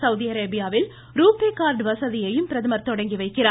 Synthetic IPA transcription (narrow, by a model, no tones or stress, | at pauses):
sɐʊðiɐɾeːbɪjaːʋɪl | ɾuːpeːkaːɾɖʋɐsɐðɪjɐjɯmpɪɾɐðɐmɐɾt̪ːɔɽɐŋɡiʋɐɪkːɪɾaː